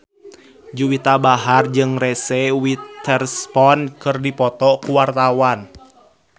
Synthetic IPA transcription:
d͡ʒuwit̪abaɦard͡ʒɨŋrɛsɛwit̪ɛrspɔnkɨrdipɔt̪ɔkuwart̪awan

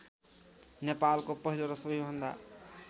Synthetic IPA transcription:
nepalkopʌɦiloɾʌsʌbʱijbʱʌnd̪a̰

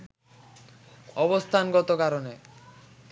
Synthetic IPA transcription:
ɔβost̪ʰanɡɔt̪okaɾone

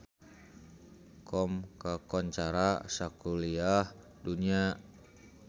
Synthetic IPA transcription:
kɔmkakɔɲt͡ʃaɾasakuliah | dunia

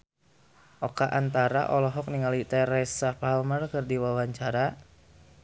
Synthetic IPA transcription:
ʔɔkaʔant̪aɾa̰ʔɔlɔɦɔk̚niŋalit̪ɛɾɛsapalmərkərdiwawaɲt͡ʃaɾa

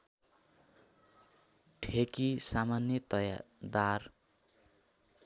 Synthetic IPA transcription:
ʈʰekisamanjʌt̪ʌjad̪ar

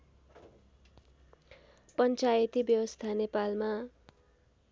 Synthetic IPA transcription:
pʌnt͡sajʌt̪ibjʌwʌst̪ʰanepalma

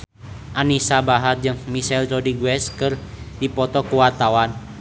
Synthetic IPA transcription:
ʔanisabaɦat̪̚d͡ʒɨŋmisɛlrɔdiɡuwɛskɨr | dipɔt̪ɔkuwart̪awan

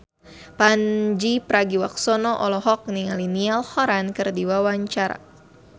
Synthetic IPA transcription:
pand͡ʒipɾaɡiwak̚sɔnɔʔɔlɔɦɔk̚niŋalinialhɔɾankɨrdiwawaɲt͡ʃaɾa̰

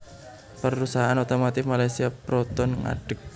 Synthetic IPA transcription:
pərusaɦaanot̪omat̪ɪfmalajsiapɾɔt̪ɔnŋa̰ɖ̥ək̚

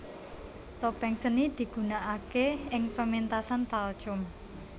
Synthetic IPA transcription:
t̪opɛŋsənid̪̥i̤ɡ̥ṳnaʔakeɪŋpəmint̪asant̪al̥ʒ̥ʊm

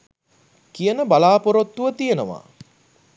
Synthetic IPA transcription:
kijənəbalaːpoɾot̪ːuʋət̪ijənəʋa̰ː

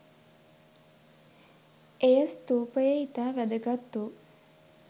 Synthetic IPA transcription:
ejəst̪uːpəjəit̪aːʋæd̪əɡat̪ːu

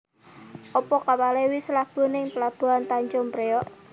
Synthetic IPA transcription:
ʔɔpɔkawalewisəlab̥o̤nɪŋpəlab̥o̤ɦant̪aɲt͡ʃʊmpɾeɔʔ

